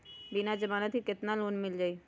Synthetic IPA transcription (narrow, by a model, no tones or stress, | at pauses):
binad͡ʒəbaːnat̪ʰiket̪nalonmɪld͡ʒaːi